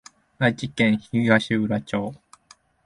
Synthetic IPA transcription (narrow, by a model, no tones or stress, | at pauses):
nat͡ɕikẽɰ̃çiɡaɕiɯ̟ɾat͡ɕoː